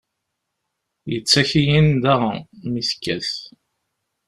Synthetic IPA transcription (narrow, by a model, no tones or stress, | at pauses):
jət͡sːæçijind̪æʁmiθkːæ̰θ